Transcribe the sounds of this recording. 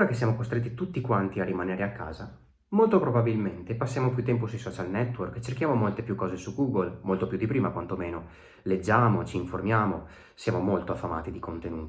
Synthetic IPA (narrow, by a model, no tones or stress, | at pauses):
oːɾakesːjaːmokost̪ɾet̪ːit̪ut̪ːikwant̪iarːimaneːɾeakːa̰ːza | molt̪opɾobabilment̪epasːjaːmopjut̪ːɛmp̬osujsɔt͡ʃalnɛt̪ːworkːt͡ʃerkjaːmomolt̪epjukːɔːzesuɡuːɡolmolt̪opjud̪ipɾiːmakwant̪omeːno | led͡ʒːaːmot͡ʃiːɱformjaːmo | sjaːmomolt̪oafːama̰ːt̪id̪ikont̪enuːt̪i